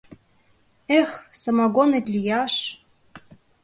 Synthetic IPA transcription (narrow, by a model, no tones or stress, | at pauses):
exsɑmɑɣonet̪lʲijɑʃ